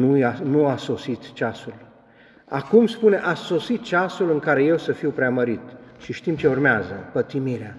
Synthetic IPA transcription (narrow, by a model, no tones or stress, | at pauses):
nujanuaso̞sit̪t͡ʃasul | a̰kumspune̞ʔaso̞sit̪̚t͡ʃasulɨŋkaɾe̞je̞wsəfiwpɾeaməɾit̪ʃiʃt̪imt͡ʃe̞urmeazəpət̪imiɾea